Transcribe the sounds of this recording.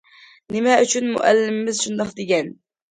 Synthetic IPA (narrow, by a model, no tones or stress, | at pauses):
nɪmæʔyt͡ʃʰʊnmʊ̰ʔæ̰lːɪmːɪzʃund̪ɑqd̪ɪɡʲɛn